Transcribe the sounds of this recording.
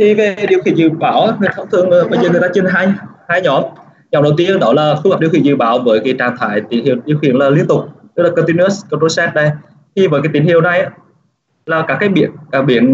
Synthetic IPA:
t̪ʰi˨˩ve˨˩ɗi˨əxḭ˨˧˩ənzɨ̰˧˨ɓaː˧˩wʔaː˨˧˦ŋɨ˨˩əjt̪ʰa˧˦ŋ͡mt̪ʰɨ˧əŋ˨˩ɓə˧jzəː˨˩ŋ˨˩jt̪aː˧t͡ɕi˧nɦa˧jhaː˧jɲɔ˨˩˦m | ɲɔ˨˧˩wɗə˨˩wt̪i˧əɗɔ˧˩laː˨˩fhəː˨˩ɗi˨˩əwxḭ˧˨˩zɨ̰˧˨ɓaː˧˨˦wvəː˨˦jkaː˨˦jt͡ɕaː˨˩nt̪ʰaː˧˩˦jt̪ḭ˧˩nhi˧˨wɗḭ˧˨əxḭ˧˨ənlaː˨˩li˧ənt̪ʊ˨˩k͡p̚t̪ɨ˦˥k̚laː˨˩kɔ˧t̪i˧ni˧˦ə˦˥sko˧to˧sɛ˦˥t̚ɗə˧j | t̪ʰi˨˧˩vəː˨˦jkaː˨˦jt̪ï˧˩nhi˧˨əwna˨˩jʔaː˨˦ | laː˨˩kaː˧˥kaː˨˦jɓḭ˧˩ənkaː˧˩ɓḭ˧˩ən

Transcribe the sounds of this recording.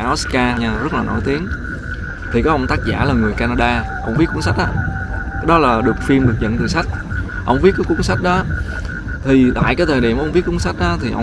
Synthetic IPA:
ʔɔ˦˥skaː˧ɲaː˧˩zə˦˥t̚laː˨nʔo̰˧˩jt̪i˨˦əŋ | t̪ʰi˨˩kɔː˨˦ʔə˧wŋ͡mt̪aː˦˥t̚za̰ː˧˩laː˨˩ŋɨ˨˩əjkaː˧naː˧ɗaː˧ | ʔə̰˧wŋ͡mvi˦˥ku˧˦ŋ͡msa˦˥k̟̚ʔa̰ː˨˦kaː˨˦jɗɔ˨˦laː˨˩ɗɨ˨˩ək̚fi˧mɗɨ˨˩k̚zə̰˧˨nt̪ɨː˨˩sa˦˥jk̟̚ | ʔə̰˧wŋ͡mvi˦˥t̚kaː˨˦jku˧˦ŋsa˦˥jk̟̚ɗɔ˨˦ | t̪ʰi˨˩la̰ː˧˨jkaː˨˦jt̪ʰəː˨˩jɗḭ˧˩əm˧wŋ͡mvi˦˥ət̚kəŋ͡msa˦˥k̟̚ɗɔ˨˦t̪ʰi˨˩ʔə̰˧w

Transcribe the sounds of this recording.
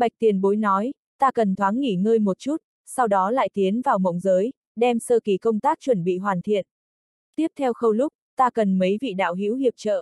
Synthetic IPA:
ɓa˨˩jk̚t̪i˨˩ənɓo˨˦jnɔ˨˦j | t̪aː˧kə˨˩nt̪ʰwaː˨˦nŋi˧˩ŋəː˧jmo˨˩t̚t͡ɕu˦˥t̚ | sa˧wɗɔ˨˦la̰ː˧˨jt̪i˨˦ənvaː˨˩wmə̰˧˥wŋ͡mzəː˨˦j | ɗɛ˧msəː˧ki˧˩kə˧wŋ͡mt̪aː˦˥k̚t͡ɕwə˧˩nɓḭ˧˨ɦwaː˨˩nt̪ʰḭ˧˨ən | t̪i˦˥əp̚t̪ʰɛ˧wxə˧wlʊ˦˥k͡p̚t̪aː˧kə˨˩nmə˨˦jvḭ˧˨ɗa̰ː˧˨wɦḭ˧˥whi˨˩əp̚t͡ɕə̰ː˧˨

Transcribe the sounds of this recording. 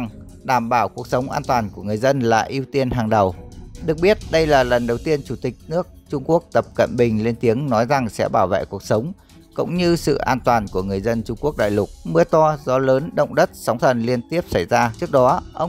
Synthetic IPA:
ŋ | ɗaː˧˩mɓaː˧˩wku˨˩ək̚sə˨˦wŋ͡mʔa̰ː˧nt̪waː˨˩nku˧˩əŋɨ˨˩əjzə˧nlaː˨˩ʔi˧wt̪i˧ənɦaː˨˩ŋɗə˨˩wɗɨ˨˩ək̚ɓi˦˥ət̚ɗə˧jlaː˨˩lə˨˩nɗə˨˩wt̪i˧ənt͡ɕu˧˩t̪ï˨˩k̟̚nɨ˦˥ək̚t͡ɕʊ˧ŋ͡mku˦˥ək̚t̪ə˨˩p̚kə̰˧˨nɓï˨˩ŋ̟le˧nt̪i˨˦əŋnɔ˨˦jza˨˩ŋsɛ̰˧˥ɓaː˧˩wvḛ˧˨ku˨˩ək̚sə˨˦wŋ͡m | kʊ̰˧˥ŋ͡mɲɨ˧sɨ̰˧˨ʔaː˧nt̪waː˨˩nku˧˩əŋɨ˨˩əjzə˧nt͡ɕʊ˧ŋ͡mku˦˥ək̚ɗa̰ː˧˨jlʊ˨˩k͡p̚mɨ˧ət̪ɔ˧zɔ˨˦ləː˨˦nɗə̰˧˨wŋ͡mɗə˦˥t̚sa˨˦wŋ͡mt̪ʰə˨˩nli˧ənt̪i˦˥əp̚sa˧˩jzaː˧t͡ɕɨ˦˥ək̚ɗɔ˨˦ʔə˧wŋ͡m

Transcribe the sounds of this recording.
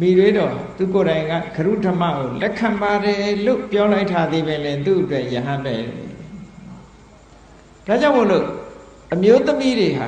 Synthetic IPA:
mi˨ɾwe˦dɔ˨ɦa̰˨t̪u˨ko˨ɾã˨ɪ̃ŋɡa̰˦˨ɡ̥əɾṵ˦˨ʔtə˨ma̰˦˨ɡo˨lɛ˦kʰːã˨mba˨ɾɛ˨lo̰˦˨pjɔ˦la˦ɪtʰːa˦d̪e˦βɪ̃˨lɪ̃˨t̪u˦˨ʔətwɛ˦ʔjəɦã˦nbɛ˨ɾɛ̰˨ | d̥a˦˨d͡ʑã˦ʊ̃mo˨lo̰˦˨ | ʔəmjo˦t̪əmi˦ɾe˨ɦa̰˨

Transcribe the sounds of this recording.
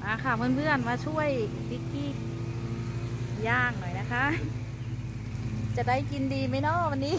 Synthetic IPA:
ʔaː˧˩kʰa˧˩mɯː˧˥˨nʰɯ˧˩ənmaː˧˥t͡ɕʰu˧˥˩əj | bi˦˧˥kːi˧˥˩ | jaː˧˩ŋnɔ˨˩jna˦˧˥kʰa˦˥ʔ | t͡ɕa˧˩da˥˩jki˧ndiː˧ma˧˥˩jnɔː˧˥˨wa˧nːiː˧˥˨

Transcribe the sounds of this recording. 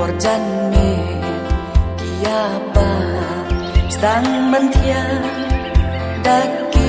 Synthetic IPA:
ɔ˨ɾd͡ʒa˦nme˨ | i˨ja˦ | pa˧ | st̪a˨˦ŋbɐ˧nt̪ʰija˦ | da˦kːe

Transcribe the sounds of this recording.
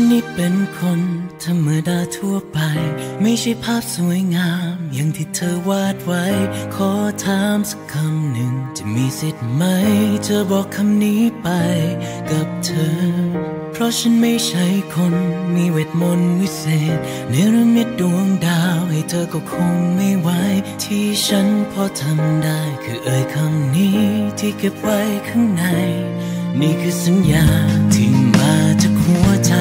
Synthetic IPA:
a˧˥nːi˦˧˥t̪̚pe˨˧nkʰo˧nt̪ʰa˧mːɯː˨˦daː˧t̪ʰu˧˩əpa˧jma˥˩jt͡ɕʰa˥˩jpʰaː˥˩p̚su˨˦əjŋaː˧mja˨˩ŋt̪ʰiː˧˩t̪ʰɤː˧waː˧˥˩t̪̚wa˦˥jkʰɔː˧˦t̪ʰaː˧˥msḁ˨˧kʰːa˧mnɯ˨˩ŋt̪ʰi˨˩miː˧si˨˩t̪̚ma˧˥jt̪ʰɤː˧bɔː˨kʰːa˧mniː˧˦˥pa˧jka˨˩p̚t̪ʰɤː˧ | pʰɾɔ˦˥t͡ɕʰa˧˥nma˥˩jt͡ɕʰa˧˥˩jkʰo˧nmiː˧we˧˩t̪̚mo˧nwi˥˧˩seː˨˩t̪̚ | na˧˥jɾɯ˧˥mni˧˥t̪̚du˨˩əŋdaː˧wha˨˩jt̪ʰɤː˧kɔː˧˩kʰo˧ŋma˥˩jwa˧˥jt̪ʰiː˧˩t͡ɕʰa˦˥npʰɔː˧˥t̪ʰa˧mdaː˥˩jkʰɯː˧˩ʔɤː˧jkʰa˧mniː˦˥t̪ʰiː˧˩ke˨˩p̚wa˧jkʰa˥˩ŋna˧jniː˧˩kʰɯː˧sa˨˦njaː˨˧t̪ʰɯː˧˩maː˧t͡ɕa˧kʰmu˧˩ət͡ɕa˧

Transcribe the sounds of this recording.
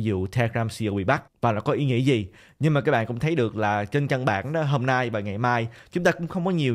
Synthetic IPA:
zṵ˧˨t̪ʰɛː˧kzaː˧msi˧ə˧wɓḭ˧˨˩ɓa˦˥k̚vaː˨˩na̰˧˥kɔ˨˦ʔi˨˦ŋḭ˧˥əzi˨˩ | ɲɨ˧ŋmaː˨˩kaː˦˥ɓaː˧˨kʊ̰˧˥ŋ͡mt̪ʰə˨˦jɗɨ˨˩ə˩k̚laː˨˩t͡ɕe˧nt͡ɕə˧nɓa̰ː˧˨nɗɔ˨˦ɦoː˧mna˧jvaː˨˩ŋa˨˩jmaː˧jt͡ɕʊ˨˦ŋ͡mt̪aː˧kʊ̰˧˥ŋ͡mxə˧wŋ͡mkɔ˨˦ɲi˨˩ə

